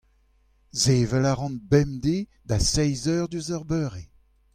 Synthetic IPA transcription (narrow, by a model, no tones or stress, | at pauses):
zeːvɛlaʁɑ̃nbɛmd̪e | d̪asɛjzœʁd̪yzɔʁbøːʁe